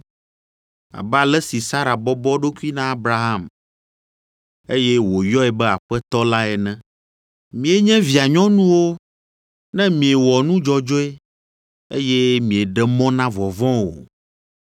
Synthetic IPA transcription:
a̰˨ba˨lɛ˦si˨sa˦ɾa˨bɔ˦bɔ˦ɖo˦ku˦i˦nã˦a˦bɾa˦ɦa˦˨m | e˦jɛ˦wo˨jɔ˦ɛ˨bɛ˦a˨ɸɛ˦t̪ɔ˦la˦ɛ˨nɛ̃˦ | mĩ˨e˦ɲɛ̃˦vi˨a˨ɲɔ̃˦nũ˦wo˦ | nɛ̃˦mĩ˨ɛ˨wɔ˨nũ˦d͡ʒɔ˨d͡ʒo˦ɛ˦ | e˦jɛ˦mĩ˨e˨ɖɛ˦mɔ̃˦nã˦vɔ˨vɔ̃˦wo̰˨

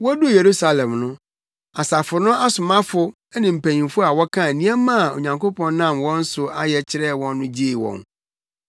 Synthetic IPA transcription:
wɔ˦du˦˨je˨ɾu˦sa˨lɛ̃˨mnʊ̃˦ | a˨sa˨fʊ˨nʊ̃˦a˦sʊ˨mã˦fʊ˦ | nɪ̃˨m̩˨pʰæ̃˨ɲĩ˨nfʊ˦a˨wɔ˦kʰã˦˨nĩ˦æ˦mã˦˨o̰˨ɲã˨ŋkʰo˦pʰɔ̃˨n˦nã˦˨mwɔ̃˦n̩˦sʊ˨a˦jɛ˨t͡ɕʰɪ˦ɾɛ˦˨wɔ̃˦nːʊ̃˦d͡ʑi˦e˨wɔ̰̃˨n

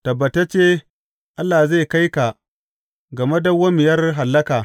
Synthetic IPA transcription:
tɐ˨bːɐ˨ta˦t͡ʃeː˦ | ʔa˦lːaː˨ze˦˨ka˦jka˨ | ɡɐ˨me˦da˦wɐ˦mɪ˨jɐ˦rɦa˨lːɐ˦kaː˨

